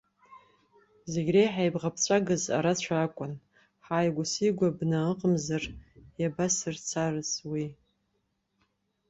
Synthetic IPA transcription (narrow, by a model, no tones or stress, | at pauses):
zeɡʲrejħajbʁapʰt͡sʷʰaɡɨza̰ɾat͡ɕʷʰaakʷʼʊn | ħaːjɡʷʊsiɡʷabnaəqʼəmzarjabasɨrt͡sʰarɨswi